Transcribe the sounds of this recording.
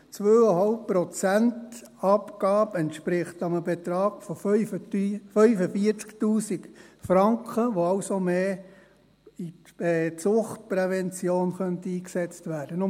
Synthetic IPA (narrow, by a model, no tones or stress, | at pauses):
t͡sʋøːəɦɑlp̚pɾɔt͡sænt | ɑpɡ̥ɑːbɛntʃpɾɪχtɑməbet̪ɾɑːɡ̥fɔ | fœʏfəfiəɾt͡sktuːsikfɾɑŋkχəʋoɑʊsomeː | iɛt͡sʊχt̚pɾɛvɛnt͡sjoːnχœntəiːksɛt͡stʋæːd̥ənʊ